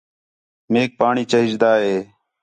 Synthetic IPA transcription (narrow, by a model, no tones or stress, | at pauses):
meːk̚paːɳiːt͡ʃəɦɪd͡ʒd̪aːɦeː